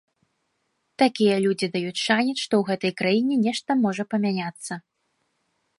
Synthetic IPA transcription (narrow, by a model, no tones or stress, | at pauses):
t̪akʲijɐlʲud͡zʲid̪ajut͡sʲʂanʲɛʂt̪ɔwɣɛt̪ɐjkɾajinʲɛnʲɛʂt̪ɐmɔʐɐpɐmʲanʲat̪sːɐ